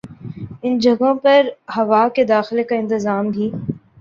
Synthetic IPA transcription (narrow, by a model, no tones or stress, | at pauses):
ɪnd͡ʒɐɡõpɐɾhɐʋaːked̪aːxɪlekaɪ̃nt̪ɪzaːmɡʱiː